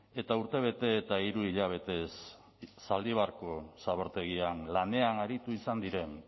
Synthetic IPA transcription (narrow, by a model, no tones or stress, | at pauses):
e̞t̪auɾt̪e̞β̞e̞t̪e̞ːt̪aiɾuiʎaβ̞e̞t̪e̞sː | ald̪iβ̞aɾko̞saβo̞ɾt̪e̞ɣ̞ianlane̞anaɾit̪uisand̪iɾe̞n